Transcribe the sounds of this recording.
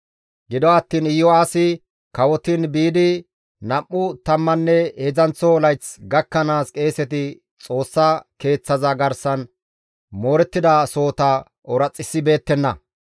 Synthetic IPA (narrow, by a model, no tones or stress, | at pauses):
ɡɪd̪ɔɐt̪ːiːnɪjːɔaːsɪ | kɐwɔt̪inbiːd̪ɪ | nɐmːʊt̪ɐmːɐnːɛezɐnt͡sːɔlɐjt͡sɡɐkːɐnaːskʼe̞ːsɛt̪̬ɪ | t͡sʼo̞ːsːɐke̞ːt͡sːɐzɐɡɐɾsɐn | mo̞ːɾɛt̪ːɪd̪ɐso̞ːt̪ɐ | ɔɾɐt͡sʼːɪsːɪbe̞ːt̪ːɛnːɐ̰